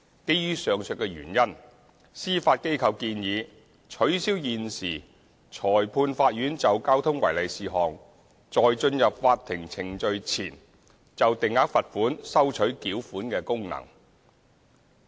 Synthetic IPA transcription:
ke˥jjyː˥sœː˨ŋsɵ˨˧kɛː˧ɥy̰ː˨˩njɐ˥n | siː˥faː˧t̚ke˥jkʰɐ˨˧wkiː˧njiː˨˧ | t͡ʃʰɵ˨˥ɥsiː˥wjiː˨nsiː˨˩ | t͡ʃʰɔː˨˩jpʰuː˧nfaː˧t̚jyː˨˥nt͡sɐ˨wkaː˥wt̪ʰʊ˥ŋwɐ˨˩jlɐ˨jsiː˨ɦɔː˨ŋ | t͡sɔː˨jt͡ʃɵ˧njɐ˨p̚faː˧tt̪ʰːɪ˨˩ŋt͡sʰɪ˨˩ŋt͡ʃɵ˨˧ɥt͡sʰḭː˨˩n | t͡sɐ˨wt̪ɪ˨ŋːaː˨˥k̚fɐ˨t̚fuː˨˥nsɐ˥wt͡ʃʰɵ˨˥ɥkiː˨˥wfuː˨˥nkɛː˧kʊ˥ŋnɐ̰˨˩ŋ

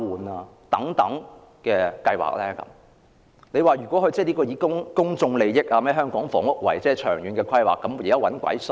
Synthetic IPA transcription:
uː˨˩naː˧ | t̪ɐ˨˥ŋt̪ɐ̰˨˥ŋ | kɛː˧kɐ˧jwa̰ː˨k̚lɛː˥kɐ̰˨˦m | ne˨˧jwaː˨˩jyː˨˩kʷwɔː˨˥hɵ˨˧ɥt͡sɛː˥˩liː˥kɔː˧jiː˨˧kʊ˥ŋkʊ˥ŋt͡sʊ˧ŋle˨jjɪ˥k̚aː˧mɛː˥˩ɦœː˥ŋkɔː˨˥ŋfɔ̰ː˨˩ŋʊ˥k̚wɐ̰˨˩jt͡sɛː˥˩t͡ʃʰœː˨˩ŋjyː˨˧nkɛː˧kʷʰɐ˥jwa̰ː˨kːɐ˨˦mjjɐ˥wɐ˨˥nkʷɐ̰˨˥js

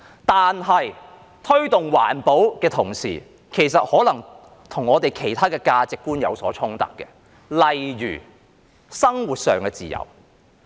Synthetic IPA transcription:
t̪aː˨nɦɐ˨j | t̪ʰɵ˥ɥt̪ʊ˨ŋwa̰ː˨˩npo˨˥wkɛː˧t̪ʰʊ˨˩ŋsḭː˨˩ | kʰe˨˩jsɐ˨t̚hɔː˨˥lɐ˨˩ŋ | t̪ʰʊ˨˩ŋɔː˨˧t̪e˨jkʰe˨˩jt̪ʰaː˥kɛː˧kaː˧t͡sɪ˨kːuː˥njɐ̰˨˧wsɔ̰ː˨˥t͡ʃʰʊ˥ŋt̪ɐ̰˨kkːɛ˧ | lɐ˨jɥy̰ː˨˩ | sɐ˥ŋwu˨t̚sœː˨ŋkɛː˧t͡sḭː˨jɐ̰˨˩w

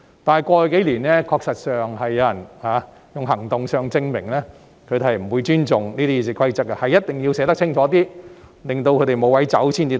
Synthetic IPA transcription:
t̪aː˨nɦɐ˨jkʷɔː˧˨˧ke˨˥liː˨˩nɛː˥kʰɔː˧k̚sɐ˨t̚sœː˨ŋɦɐ˨jːɐ˧wjɐ˨˩nhaː˨˧ | jʊ˨ŋɦɐ˨˩ŋt̪ʊ˨ŋsœː˨˩ŋt͡sɪ˧ŋmɪ˨˩ŋlɛː˥ | kʰɵ˨˧t̪e˨hɐ˨jm̩˨˩wuː˨˧jt͡ʃyː˥nt͡ʃʊ˨ŋniː˥t̪ʰiː˥iː˨˧s̬iː˨˧kʰɐ˥jt͡sɐ˥k̚kɐ˧hɐ˨jːɐ˥t̚t̪ɪ˨ŋjiː˧wsɛː˨˧t̪ɐ˥k̚t͡sʰɪ˥ŋt͡ʃʰɔː˨˥t̪iː˥lɪ˨ŋt̪o˧wkʰɵ˨˧˥t̪e˨jmo˨˧wɐ˨˥jt͡sɐ˨˥wsiː˥nt͡siː˨˧

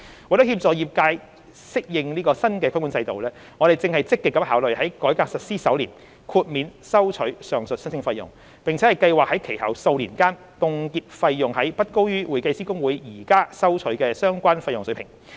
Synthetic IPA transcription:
wt̪ʊ˦˥hiː˧p̚t͡sɔː˨˧jiː˨˩p̚kaː˧j | sɪ˥k̚jɪ˨ŋliː˥kɔː˧sɐ˥nkɛː˧kʰku˨˧nt͡sɐ˧jt̪o˨wlɛː˥ | ŋɔ˨˧ɾe˨jt͡sɪ˧ŋhɐ˨˩jt͡sɪ˥kːɪ˨kːɐ˨˥haː˨˥wlɵ˨ɥhɐ˨˥jkɔː˨˥jkaː˧k̚sɐ˨t̚siː˥sɐ˨˥wlḭː˨˩n | kʰuː˧t̚miː˨˧nsɐ˥wt͡ʃʰɵ˨˥ɥsœː˨˩ŋsɵ˨t̚snt͡sɪ˧ŋfɐ˧jːjʊ̰˨˩ŋ | pɪ˨˩ŋt͡sʰɛ˨˥hɐ˨˩jkɐ˧jwaː˨˩hɐ˨˥jkʰe˨˩jhɐ̰˨˩wso˧wliː˨˩nkaː˥n | t̪ʊ˨˧ŋkiː˧p̚fɐ˧jːʊ˨˩ŋhɐ˨˥jpɐ˥t̚ko˥wjyː˥wu˨jkɐ˧jsiː˥kʊ˥ŋwuː˨˥jjiː˨˩kaː˥sɐ˥wt͡ʃʰɵ˨˥ɥkɛː˧sœː˥ŋkʷaː˥nfɐ˧jʊ˨˩ŋsɵ˨˥pʰɪ˨˩ŋ

